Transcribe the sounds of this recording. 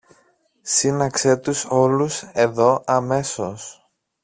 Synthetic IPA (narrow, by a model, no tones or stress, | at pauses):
sinɐkse̞t̪uso̞luse̞ðo̞ʔɐme̞so̞s